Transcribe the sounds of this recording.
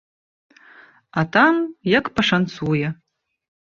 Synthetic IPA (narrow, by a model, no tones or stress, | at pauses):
atʰamjakpaʂant͡sʰujɐ